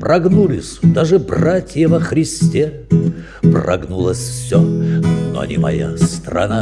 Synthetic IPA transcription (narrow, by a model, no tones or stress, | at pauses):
prʔɐɡnulʲɪsʲd̪aʐɨbratʲjəvəxɾʲɪsʲtʲe | prɐ̰ɡnulˠəsʲfsʲono̰ɐ̰nʲimɐ̰ja̰st̪ɾɐ̰na